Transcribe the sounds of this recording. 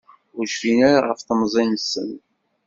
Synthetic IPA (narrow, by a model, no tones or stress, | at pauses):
ʊɾʃfinæɾaʁə̰fθəmzˤinsːə̰n